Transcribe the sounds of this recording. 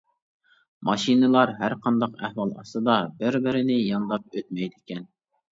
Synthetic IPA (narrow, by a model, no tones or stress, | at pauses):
mɑʃinɨlˠɑɾɦæɾqʰɑnd̪ɑqæ̰hwɑlˠɑ̰sɨd̪ɑbɪɾbɪɾɪnɪjɑnd̪ɑp̚øt̪mɛjd̪ɪkʲʰɛn